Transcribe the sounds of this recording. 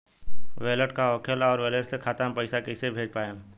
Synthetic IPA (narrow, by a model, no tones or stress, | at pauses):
ʋeːləʈkaɔːkʰəlɔːɾʋeːləʈsekʰaːt̪ampəɪsakɪsebʱeːd͡ʒpaːẽ